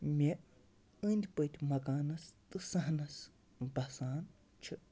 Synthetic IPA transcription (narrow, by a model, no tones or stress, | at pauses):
mʲe | ɨnʲd̪ʲpɨt̪ʲmɐɡaːnɐst̪ɨsɐɦnɐs | bɐsaːn | t͡ʃʰɨ